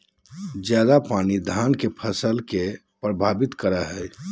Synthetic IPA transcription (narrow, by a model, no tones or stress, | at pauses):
d͡ʒjad̪apaːnid̪ʱaːnkepʰəsəlke | pɾəbʱaːbɪt̪kəɾaɦɛ